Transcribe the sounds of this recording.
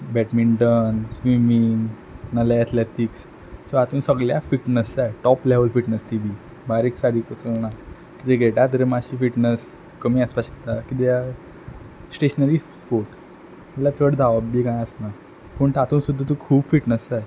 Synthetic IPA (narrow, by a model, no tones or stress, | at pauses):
bɛʈmiɳʈənsʋimiŋ | nəlaət̪let̪iks | soat̪uːnsəɡljafiʈnəsajʈɔpleʋəlfiʈnəst̪ibʱi | baɾiksaɽiːkət͡səlna | kit̪eɡʱeʈat̪əɾemaɕiːfiʈnəs | kəmiːaspaɕekt̪akit̪eja | sʈeɕənəɾispoɾʈ | məlat͡səɽd̪ʱaʋəbbiːkãjəsna | pəɳt̪at̪uːnsud̪ʱːət̪ukʰuːbfiʈnəsaj